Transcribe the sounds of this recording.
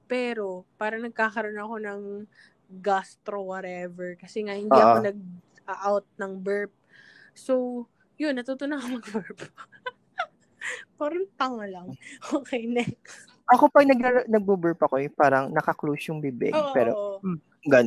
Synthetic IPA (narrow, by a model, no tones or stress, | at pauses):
pɛːɾo̞paːɾɐnɐɡ̚kaːkɐɾonɐɐko̞nɐŋ | ɡast̪ɾowɐɾɛvɛɹkɐsɛŋahɪndoiɐʔkonɐɡ̚ɐʔawt̪̚nɐŋbɛɹp̚sow | jonːɐt̪uːt̪ʊnɐkomɐɡbɛɹp | pɐɾɐnp̪ɐŋɐlɐŋʔoːkɛjnɛk | ʔɐkopɐɡnɐɡ̚ɾanɐɡ̚bubɛɹpɐkojʊpaːɾɐŋnɐkɐklosjʊŋbɪbɛ̰ɡʔpɛːɾo | ɡɐn